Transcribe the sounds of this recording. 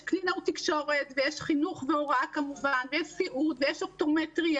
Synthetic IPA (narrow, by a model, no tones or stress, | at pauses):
klinaut̪ikʃo̞ʁet̪vejeʃχinuχveoʁakamuvanvjeʃsiʔud̪vejeʃop̚t̪ometʁia